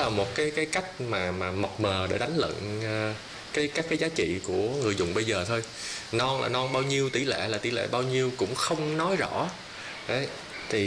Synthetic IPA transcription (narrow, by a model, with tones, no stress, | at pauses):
laː˨˩mo˨˩t̚kaː˨˦jkaː˨˦jka˦˥jk̟̚maː˨˩maː˨˩ma˨˩wk͡p̚məː˨˩ɗe˧˩ɗa˨˦jŋ̟lə̰˧˨nː˨˩ | kaː˨˦jkaː˦˥kːaː˨˦jzaː˨˦t͡ɕḭ˧˨ku˧˩əŋɨ˨˩əjzʊ˨˩ŋ͡mɓə˧jzəː˨˩t̪ʰo˧j | nɔ˧nla̰ː˨˩nɔ˧nɓaː˧wɲi˧əwt̪i˧˩lḛ˧˨laː˨˩t̪i˧˩lḛ˧˩ɓaː˧wɲi˧əwkʊ̰˧˥ŋ͡mxə˧wŋ͡mnɔ˨˦jzɔ̰˧˥ | ʔə˨˦j | t̪ʰi˨˩